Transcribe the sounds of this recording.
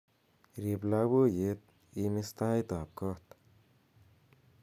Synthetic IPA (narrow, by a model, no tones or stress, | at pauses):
ɾiblabojet̪̚ | imist̪aːjt̪aːp̚kɔt̪